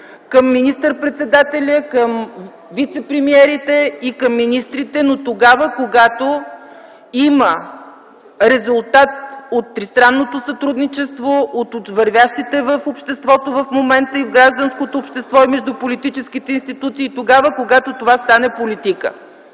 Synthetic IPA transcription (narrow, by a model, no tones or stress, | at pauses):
kəmːinist̪əɾpɾɛt̪sɛd̪at̪ɛlʲəkəm | vit̪sɛpɾɛmiɛɾit̪ɛikəmːinist̪ɾit̪ɛnot̪oɡavəkoɡat̪o | imə | ɾɛzʊlˠt̪at̪̚ot̪ːɾist̪ɾanːot̪osɐt̪ɾud̪nit͡ʃɛst̪voʔot̪ot̪vɐɾvʲjaʃt̪it̪ɛvəfopʃt̪ɛst̪vɔt̪ovəfmomɛnt̪əivɡɾaʒd̪ənskot̪oːpʃt̪ɛst̪vɔimɛʒd̪upolit̪it͡ʃɛsk̟it̪ɛinst̪it̪ut̪siːt̪oɡavəkoɡat̪ot̪ovast̪anɛpolit̪ikə̰